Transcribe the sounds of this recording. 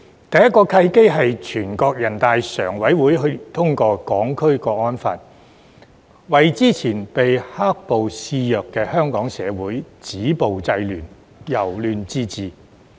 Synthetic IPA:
t̪ɐ˨jɐ˥t̚kːɔː˧kʰɐ˧jke˥ɦɐ˨jt͡ʃʰyː˨˩nkɔː˧k̚jɐ˨˩nt̪aː˨jsœ̰ː˨˩ŋwɐ˨˥jwuː˨˥jɦɵ˧ɥt̪ʰʊ˥ŋkɔː˧kɔː˨˥ŋkʰɵ˥ɥkɔː˧k̚ɔː˥nfa̰ː˧t̚ | wɐ˨jt͡siː˥t͡sʰiː˨˩npe˨jhaː˥k̚po˨wsiː˧jœː˨kːɛː˧hœː˥ŋkɔː˨˥ŋsɛ̰ː˨˧wuː˨˥jt͡siː˨˥po˨wt͡sɐ˧jlyː˨˩n | jɐ˨˩wlyː˨˧nt͡siː˥t͡siː˨

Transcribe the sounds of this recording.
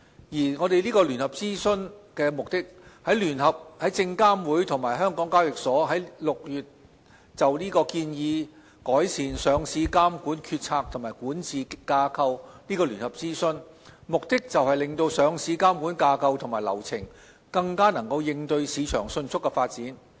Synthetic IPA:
jiː˨˩ŋɔː˨˧t̪e˨jliː˥kɔː˧lyː˨˩nhɐ˨p̚t͡siː˥sɵ˥nkɛː˧mʊ˨k̚t̪ɪ˥k̚hɐ˨˥jlyː˨˩nhɐ˨p̚hɐ˨˥jt͡sɪ˧ŋkaː˥mwuː˨˥jt̪ʰʊ˨˩ŋmaː˨˩jɦœː˥ŋkɔː˨˥ŋkaː˥wjɪ˨k̚sɔː˨˥ɦɐ˨˥jlʊ˨k̚jyː˨t̚ | t͡sɐ˨wliː˥kɔː˧kiː˧njiː˨˧ | kɔː˨˥jsiː˨˩nsœː˨˧ŋsiː˨˧kaː˥mkuː˨˥nkʰyː˧t̚t͡sʰaː˧k̚t̪ʰʊ˨˩ŋmaː˨˩jkuː˨˥nt͡siː˨kaː˧kʰɐ˧wniː˥kɔː˧lyː˨˩nhɐ˨p̚t͡siː˥sɵ˧n | mʊ˨k̚t̪ɪ˥k̚t͡sɐ˨whɐ˨jlɪ˨ŋt̪o˧wsœː˨˧ŋsiː˨˧kaː˥mkuː˨˥nkaː˧kʰɐ˧wt̪ʰʊ˨˩maː˨˩jlɐ̰˨˩wt͡sʰɪ̰˨˩ŋ | kɐ˧ŋkaː˥nɐ˨˩ŋkɐ˧wjɪ˧ŋt̪ɵ˧ɥsiː˨˧t͡ʃʰœ̰ː˨˩ŋsɵ˧nt͡sʰʊ˥kːɛ˧faː˧t̚t͡siː˨˥n

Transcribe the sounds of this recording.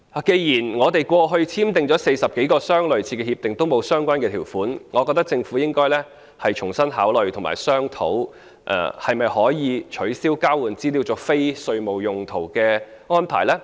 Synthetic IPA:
aː˨˩ke˧jjiː˨˩nŋɔː˨˧t̪e˨jkʷɔː˧ɦɵ˧ɥt͡sʰiː˥mt̪ɪ˨ŋt͡ʃɔː˨˥se˧jsɐ˨p̚ke˨˥jkɔː˧sœː˥ŋlɵ˨ɥt͡sʰiː˧kɛ˧hiː˧p̚t̪ɪ˨˩ŋt̪o˥wmo˨˧wsœː˥ŋkʷaː˥nkɛ˧t̪ʰiː˨˩wfuː˨˥nŋɔː˨˧kɔ˧k̚t̪ɐ˥k̚t͡sɪ˧ŋfuː˨˥jɪ˥ŋkɔː˥jlɛː˥ | hɐ˨jt͡ʃʰʊ˨˩ŋsɐ˥nɦaː˨˥wlɵ˨ɥt̪ʰŋma̰ː˨˩jsœː˥ŋt̪ʰo̰˨˥w | ʔhɐ˨jmɐ˨jhɔː˨˥jiː˨˧t͡ʃʰɵ˨˥ɥsiː˥wkaː˥wuː˨˩nt͡siː˥liː˨˧wt͡sɔː˨˥fe˥jsɵ˧ɥmo˨wjʊ˨ŋt̪ʰo˨˩wkɛː˧ | ŋɔː˥npʰaː˨˩jlɛː˥

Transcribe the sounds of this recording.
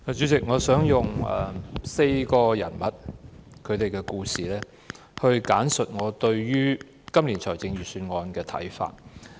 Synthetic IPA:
a˨t͡ʃyː˨˥t͡sɪ˨k̚ŋɔː˨˧sœː˨˥ŋjʊ˨ŋɛ̰ː˨se˧jkɔː˧jɐ̰˨˩nmɐ˨t̚kʰɵ˨˧ɥt̪e˨jkɛː˧kuː˧siː˨lɛː˥ | hɵ˧ɥkaː˨˥nsɵ˨t̚ŋɔː˨˧t̪ɵ˧ɥjyː˥ | kɐ˥mliː˨˩nt͡ʃʰɔː˨˩jt͡sɪ˧ŋɥyː˨˩syː˧nŋɔː˧nkɛː˧t̪ʰɐ̰˨˥jfa̰ː˧t̚

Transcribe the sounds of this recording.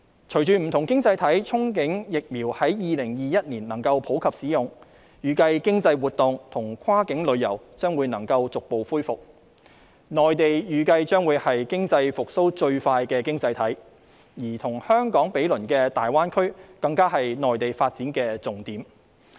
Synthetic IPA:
t͡ʃʰɵ˨˩ɥt͡ʃyː˨m̩˨˩t̪ʰʊ˨˩ŋkɪ˥ŋt͡sɐ˧jt̪ʰɐ˨˥jt͡sʰʊ˥ŋkɪ˨˥ŋjɪ˨k̚miː˨˩whɐ˨˥jjiː˨˧lɪ˨˩ŋjiː˨jɐ˥t̚niː˨˩nnɐ˨˩ŋkɐ˧wpʰo˨˥wkʰɐ˨p̚siː˨˥jʊ˨ŋ | jyː˨kɐ˧jkɪ˥ŋt͡sɐ˧jwuː˨t̪ʊ˨ŋt̪ʰʊ˨˩ŋkʰaː˥kɪ˨˥ŋlɵ˨˧ɥjɐ̰˨˩wt͡ʃœː˥ŋwuː˨˧jnɐ˨˩ŋkɐ˧wt͡sʊ˨k̚po˨wfuː˥jfʊ˨k̚ | nɔː˨jt̪e˨jjyː˨kɐ˧jt͡ʃœː˥ŋwuː˨˧jhɐ˨jkɪ˥ŋt͡sɐ˧jfʊ˨k̚so˥wt͡ʃɵ˧ɥfaː˧jkɛː˧kɪ˥ŋt͡sɐ˧jt̪ʰɐ˨˥j | jiː˨˩t̪ʰʊ˨˩ŋhœː˥ŋkɔː˨˥ŋpe˨˥jlɵ˨˩nkɛː˧t̪aː˨jwaː˥nkʰɵ˥ɥkɐ˧ŋkaː˥ɦɐ˨jnɔː˨jt̪e˨jfaː˧t̚t͡siː˨˥nkɛː˧t͡sʊ˨˩ŋt̪iː˨˥m

